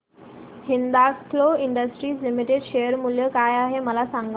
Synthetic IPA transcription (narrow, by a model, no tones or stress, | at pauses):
hɪ̃nd̪akʰloɪ̃ɳɖəsʈɾiːslimɪʈeɖʃejəɾmʊljəkajaːɦeməlasãŋɡ